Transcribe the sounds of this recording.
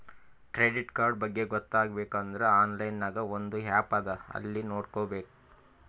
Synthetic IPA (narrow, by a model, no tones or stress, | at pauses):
kɾeɖiʈkaːɾɖ̚bɐɡːe̞ɡɔt̪ːaːɡbe̞ːkɐnd̪ɐɾeaːnlɐjnːaːɡɐond̪uɦaːpaːd̪ɐɐ̰lːino̞ːɖkoːbeːku̥